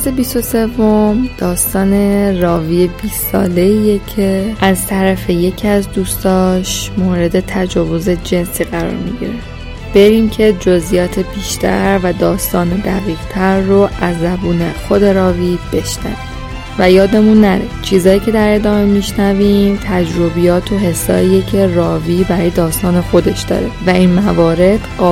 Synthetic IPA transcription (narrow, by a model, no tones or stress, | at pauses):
sebist̪o̞se̞vːo̞md̪̥ɒːst̪ɒːne̞rɒːviːebiːsɒ̰ːle̞iːjecʰe̞ʔæzt̪ʰæɾæfe̞je̞cʰiæzd̪uːst̪ɒːʃmoːɾe̞d̪e̞t̪ʰæd͡ʒɒːvo̞ze̞d͡ʒe̞nsiːɣæɾɒ̰ːɾmiɟḭɾe | b̥eɾimcʰe̞d͡ʒozijɒːt̪ʰebiːʃt̪ʰæ̰ɾvæd̪ɒːst̪ɒːne̞d̪æɣiːʁt̪ʰæɾːoʔæzːæbuːne̞xo̞d̪e̞ɾɒːviːb̥e̞ʃnæ̰vi | væjɒːd̪e̞munːæɾit͡ʃʰiːzɒːjiːcʰe̞d̪æɾe̞d̪ɒːme̞miʃnæviːmt̪ʰæd͡ʒɾo̞bijɒːt̪ʰoɦe̞sːɒ̰ːiːjecʰe̞rɒːviːbæɾɒːjed̪ɒːst̪ɒːne̞xo̞d̪e̞ʃd̪ɒ̰ːɾevæʔinmævɒːɾe̞d̪̥ɢɒː